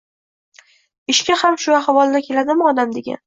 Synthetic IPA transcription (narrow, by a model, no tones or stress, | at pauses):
ɪʃkʲahamʃʊaχvɒlˠnakʲʰe̞lad̪ɪmʊɒd̪amd̪e̞ɡʲa̰n